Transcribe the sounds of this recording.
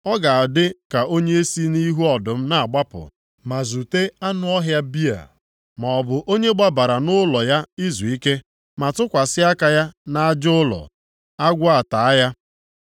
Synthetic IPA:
ɔ˦ɡa˨a˨dɪ˦ka˨ʔo˦ɲe˦e˦si˦ni˦ɦu˦ɔ˨dʊ˨m̩˦na˨a˨ɡ͡ba˦pʊ̰˨ | ma˨zu˨te˦a˦nʊ˦ɔ˦ɦja˦bi˦a̰˨ | ma˨ɔ˨bʊ˨ʔo˦ɲe˦ɡ͡ba˦ba˨ɾa˨nʊ˦lɔ˨ja˦i˦zu˨i˦ke˦ | ma˨tʊ˦kʷa˨sɪ˦a˦ka˨ja˦na˦a˦d͡ʒʊ˦lɔ̰˨ | a˦ɡʷʊ˦a˨ta˨a˦ja˦

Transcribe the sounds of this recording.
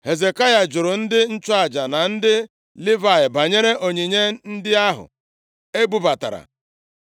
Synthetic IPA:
he˨ze˨ka˦ja˨d͡ʒʊ˨ɾʊ˨n̩˦dɪ˦n̩˦t͡ʃʊ˦a˨d͡ʒa˨na˨n̩˦dɪ˦ | lɪ˦va˨ɪ˨ba˨ɲe˦ɾe˦ʔo˨ɲe˨ɲe˦n̩˦dɪ˦a˦ɦʊ̰˨ | e˦bu˦ba˨ta̰˨ɾa̰˨

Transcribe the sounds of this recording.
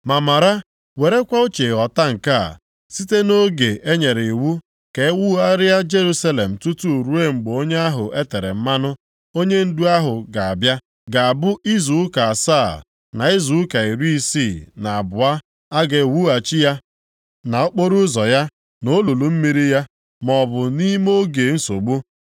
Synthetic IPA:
ma˨ma˨ɾa˦ | we˨ɾe˦kʷa˦o˦t͡ʃe˨ɔ˨ta˦ŋ̩˨ka̰˦˨ | si˦te˦no˦ɡe˨ʔe˦ɲe˨ɾe˨wu˦ | ke˨˦wu˦a˦ɾɪ˦a˦d͡ʒe˦ɾu˦sa˦le˨m̩˨tu˦tu˦˨ɾu˦e˦ŋ͡m̩˨ɡ͡bo˦ɲe˦a˦ɦʊ˨ʔe˦te˨ɾḛ˨m̩˦ma˦nʊ˦ | o˦ɲe˦n̩˦du˦a˦ɦʊ˨ɡa˨a˨bja˦ | ɡa˨a˨bʊ˦i˦zu˨ʊ˦ka˨a˨sa˦˨ | na˨i˦zu˨ʊ˦ka˨i˨ɾi˦i˦si˦˨na˨a˨bʊ˨a˦ | a˦ɡe˨wu˦a˨t͡ʃi˦ja˦ | na˨ʊ˦k͡po˦ɾu˦zɔ˨ja˦ | no˦lu˨lu˨m̩˦mi˦ɾi˦ja˦ | mɔ˨bʊ˨ni˦m˦o˦ɡe˨˦n̩˦so˨ɡ͡bu˦

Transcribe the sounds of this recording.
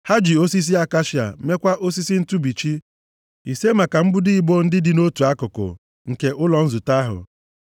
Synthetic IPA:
ha˦d͡ʒi˨o˦si˦s̬i˦a˦ka˦ʃi˦˨a̰˨˦me˦kʷa˦ʔo˦s̬i˦si˦n̩˦tu˦bi˨t͡ʃi˦ | ḭ˨se˦ma˨ka˨m̩˦bʊ˦di˦i˦bo˦n̩˦dɪ˦dɪ˨˦no˦tu˨a˦kʊ˨kʊ̰˨ | ŋ̩˨ke˨ʔʊ˦lɔ˨n̩˦zʊ˨ta˦ɦʊ̰˨

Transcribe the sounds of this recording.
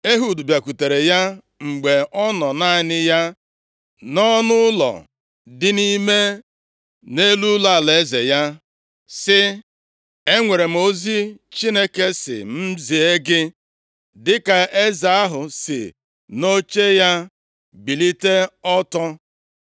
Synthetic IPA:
e˦ɦu˨du˨bja˨ku˨te˨ɾe˨ja˦ | ŋ͡m̩˨ɡ͡be˨ʔɔ˦nɔ˨na˦˨nɪ˦ja˦ | nɔ˦nʊ˦ʊ˦lɔ̰˨ | dɪ˦ni˦me˦ | ne˦lu˦la˦a˨le˨˦zḛ˨ja˦ | sɪ˦ | e˦ŋʷe˨ɾe˨m̩˨o˦zi˦t͡ʃi˦ne˦ke˦sɪ̰˨m̩˦zi˨e˦ɡɪ˦ | dɪ˦ka˨e˦za˨a˦ɦʊ˨sɪ̰˨ | no˦t͡ʃe˦ja˦ | bi˨li˦te˦ɔ˦tɔ˦

